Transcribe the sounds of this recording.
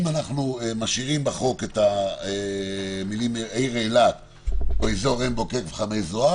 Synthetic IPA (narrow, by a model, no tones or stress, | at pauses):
manaχnuemaʃiʁimbaχo̞ketaemilimejʁelat | voizooʁenbo̞keʁveχamejzoa